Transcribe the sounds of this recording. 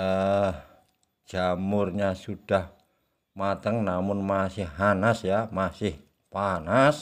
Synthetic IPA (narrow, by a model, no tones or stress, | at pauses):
ə | ʒ̥amʊrɲasuɖ̥ah | mat̪əŋnamʊnmasɪhːanasjamasɪh | panas